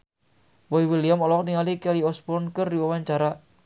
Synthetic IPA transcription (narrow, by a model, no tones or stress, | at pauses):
bɔiwiliamɔlɔkniŋalikɛliɔspɔnkərdiwawaɲt͡ʃaɾa